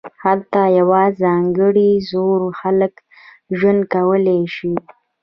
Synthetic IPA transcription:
halt̪ɑjawɑzɑŋɡəɽizoɾxalək | ʒwand̪̚kawəleʃi

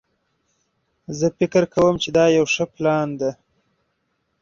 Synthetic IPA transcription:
zəfɪkɾkawəmt͡ʃed̪ɑjawʂəplɑnd̪a

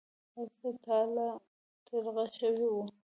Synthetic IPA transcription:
asat̪ɑla | t̪ʰəɾɣaʃəwewu

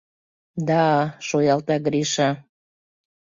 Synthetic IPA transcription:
d̪ɑʃojɑlt̪ɑɡɾiʃɑ

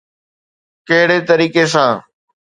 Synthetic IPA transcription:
kɐɦɪɽet̪əɾiːkes̬ãː

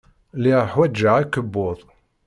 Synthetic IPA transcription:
liʁħwæd͡ʒːəʕækːəbːʊðˤ

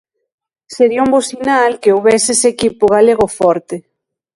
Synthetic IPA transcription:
seɾiaumbosinalkeowβɛsesekipʊɣ̞aleɣofɔɾt̪e

